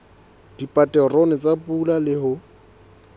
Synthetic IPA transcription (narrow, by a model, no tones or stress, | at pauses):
d̥ipʼatʼɛrɔnɛt͡sʼapʼulalɪhʊ